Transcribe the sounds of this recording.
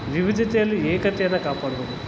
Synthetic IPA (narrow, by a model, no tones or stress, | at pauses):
ʋiʋid̪jɐt̪ɛjɐlːieːkɐt̪ɛjɐnːɐkaːpaːɽubod̪u